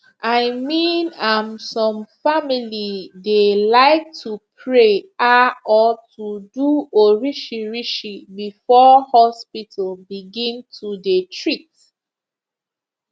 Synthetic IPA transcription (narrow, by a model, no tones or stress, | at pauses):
ʔaɪmĩnãmsɔ̃mfamilidelaɪk̚tʰupʰɹeaɔtʰuduoɹiʃiɹiʃibifɔhɔspitʰəl̩biɡĩntʰudetʰɹit